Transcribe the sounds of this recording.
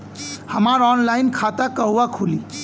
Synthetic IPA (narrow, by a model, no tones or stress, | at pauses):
həmaɾɔnlajnkʰat̪akəɦuwakʰuli